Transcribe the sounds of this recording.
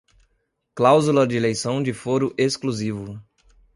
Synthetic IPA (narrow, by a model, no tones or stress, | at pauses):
klawzulɐd͡ʒelejsɐ̃w̃d͡ʒɪfoɾʊʔeskluzivʊ